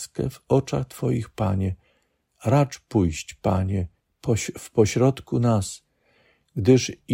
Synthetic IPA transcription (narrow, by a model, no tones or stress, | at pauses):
skɛ̰vɔt͡ʂa̰xt̪fɔjixpaɲɛ | ɾat͡ʂpujɕt͡ɕpaɲɛ | pɔfpɔɕɾɔt̪kunas | ɡd̪ɘʂ